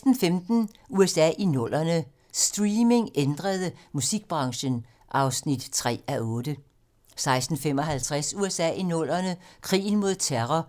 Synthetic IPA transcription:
d̥n̩femd̥n̩uesɛ̰ːʔinɔ̽l̰ɐnə | sd̥ʁiːme̝ŋend̥ʁɐðˠəmusiɡ̥̚b̥ʁɑ̈ŋɕən | ʔɑ̈ʊsnid̥t͡sʰʁɛ̰ːæɔ̽ːd̥ə | sɑ̈ɪsd̥n̩fem̰ɒ̽ɦælt͡sʰʁasuesɛ̰ːinɔ̽l̰ɐnəkʰʁḭːn̩mo̝ð̞ˠt͡sʰeʁɒ

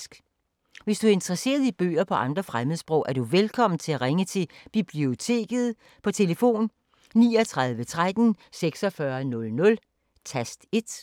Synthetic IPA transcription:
sɡ̥ | ʋe̝sd̥uæɐe̝nd̥ʁɐse̝̰ːɐð̞ˠib̥ø̰ːɐpʰɒ̽ʔɑ̈nd̥ʁɐfʁaməðˠsb̥ʁɔ̽ʊʔæɐduʋelkʰɒ̽m̰n̩t͡sʰe̝læʁaŋət͡sʰe̝b̥ib̥lio̝t͡sʰe̝̰ːɡ̥ð̞̩ˠ | pʰɒ̽t͡sʰe̝ləfo̝̰ːnː | iːɒt͡sʰʁɑ̈ð̞ˠʋət͡sʰʁad̥n̩seɡ̥sɒ̽fɶɐnɔ̽lnɔ̽l | t͡sʰæsd̥e̝d̥

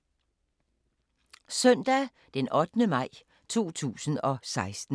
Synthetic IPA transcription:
sœn̰d̥æ | d̥enʔɒ̽d̥nəmɑ̈ɪ̰ | t͡sʰo̝̰ːt͡sʰṵːsn̩ɒ̽sɑ̈ɪsd̥n̩

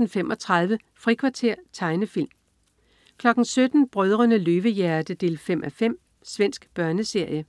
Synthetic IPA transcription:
n̩fem̰ʔɒ̽t͡sʰʁɑð̞ˠʋə | fʁikʰʋɑ̈t͡sʰe̝ɐ̰t͡sʰɑ̈ɪnəfil̰m | kʰlɒ̽ɡ̥n̩sød̥n̩b̥ʁœð̞ˠʁɐnəløːʋəjæɐd̥əd̥e̝̰ːlfemʔæfem̰ | sʋen̰sɡ̥b̥ɶɐnəse̝ɐ̰jə

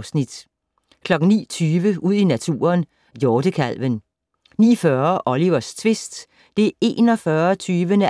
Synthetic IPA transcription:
snid̥ | kʰlɒ̽ɡ̥ŋ̩nḭːt͡sʰyːʋəʔuð̞̰ˠinæt͡sʰṵːɐn | jɒːd̥əkʰæl̰ʋən | nḭːfɶɐʔɒliʋɐst͡sʰʋe̝sd̥ | d̥e̝e̝ːnɒ̽fɶːɐt͡sʰyːʋənə

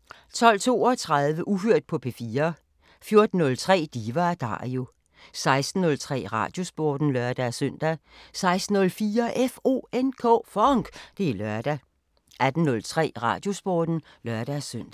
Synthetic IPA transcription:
t͡sʰɒ̽l̰t͡sʰo̝̰ːɒt͡sʰʁɑ̈ðˠʋəʔuhøɐ̰d̥̚pʰɒ̽pʰe̝fiːɐ | fjo̝ɐd̥n̩ːɔ̽lt͡sʰʁɛ̰ːd̥iːʋɑd̥ɑ̰̈io̝ | sɑ̈ɪsd̥n̩ːɔ̽lt͡sʰʁɛ̰ːʁɑ̰̈ːd̥jo̝sb̥ɔːd̥n̩lœɐd̥æsøn̰d̥æsɑ̈ɪsd̥n̩ɔ̽lfiːɐʔefo̝̰ːenkʰɔ̰ːfɒŋɡ̥d̥e̝ælɶɐd̥æ | ʔæd̥n̩nɔ̽lt͡sʰʁɛ̰ːʁɑ̰̈ːd̥jo̝sb̥ɒːd̥n̩ | lɶɐd̥æsøn̰d̥æ

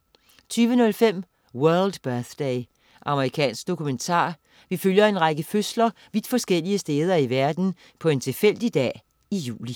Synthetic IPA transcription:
t͡sʰyːʋənɔ̽lfem̰ | wœɐld̥b̥œɐθd̥eɪ | ʔɑ̈məʁikʰɛ̰ːnsɡ̥̚d̥o̝kʰument͡sʰɑ̰̈ː | ʋiføljɐe̝nʁɑ̈ɡ̥əføslɐ | ʋid̥fɒ̽sɡ̥el̰iəsd̥eːð̞ˠɐiʋæɐd̥n̩ | pʰɒ̽e̝nt͡sʰe̝fel̰d̥id̥ɛ̰ː | ijṵːli

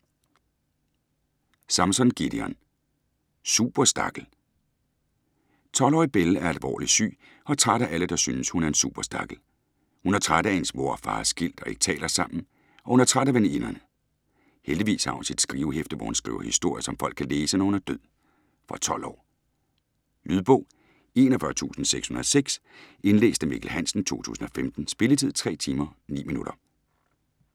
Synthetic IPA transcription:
sɑ̈msɒ̽nɡ̥id̥iɒn | sub̥ɐsd̥ɑ̈ɡ̥l̩ | t͡sʰɒ̽lɒ̰ːib̥elæɐælʋɒ̰ːlisy̰ː | ɒ̽t͡sʰʁaɾ̥ɐʔæləd̥ɑ̈synəshunæɐe̝nsṵːb̥ɐsd̥ɑ̈ɡ̥l̩ | hunæt͡sʰʁaɾ̥əensmo̝ɐ̰fɑ̰̈ːsɡ̥il̰d̥ɒ̽e̝ɡ̥ə̥t͡sʰɛ̰ːlʔɐsɑ̈m̰n̩ | ʔɒ̽hunæɐt͡sʰʁaɾ̥ɐʋeninɐnə | held̥iʋḭːshɑ̈hunsid̥sɡ̥ʁiːʊhefd̥əʋɒ̰hunsɡ̥ʁḭʊɐhisd̥o̝ɐ̰jəsɒ̽mfɒ̽l̰ɡ̥̚kʰæleːsənɒhunæɐd̥øð̰ˠ | fɒ̽t͡sʰɒ̽l̰ɒ̰ː | lyðˠb̥ɔ̽ʊ̰ | e̝nɒfɶɐt͡sʰṵːsn̩seɡ̥shunɐðˠseɡ̥se̝nlḛːsd̥əmḭɡ̥l̩ɦæn̰sn̩t͡sʰo̝̰ːt͡sʰṵːsn̩ɒ̽femd̥n̩sb̥e̝lət͡sʰið̞̰ˠt͡sʰʁɛ̰ːt͡sʰiːmɐnḭːminuɾ̥ɐ

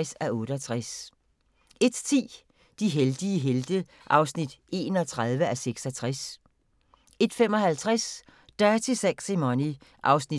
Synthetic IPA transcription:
sæɔ̽ːɾ̥əɒt͡sʰʁas | e̝d̥t͡sʰḭː | d̥iɦeld̥iəɦeld̥ə | ʔɑ̈ʊsnid̥e̝̰ːnɒ̽t͡sʰʁɑ̈ð̞ˠʋəæseɡ̥sɒt͡sʰʁas | e̝d̥femɒ̽hælt͡sʰʁas | d̥ɑæɐt͡sʰe̝seɡ̥simɒni | ʔɑ̈ʊsni

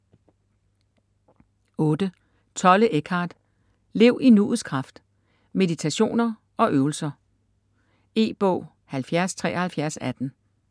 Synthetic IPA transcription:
ɔ̽ːd̥ə | t͡sʰɒ̽ləʔeɡ̥ʰɑ̈ːd̥ | le̝ʊʔinṵːð̩ˠskʰʁɑ̈fd̥ | me̝ðˠit͡sʰæɕo̝̰ːnɐ | ʔɒ̽ʔøːʊl̩sɐ | e̝̰ːb̥ɔ̰ʊ | hælfjæɐst͡sʰʁɛ̰ːɐhælfjæɐsæd̥n̩

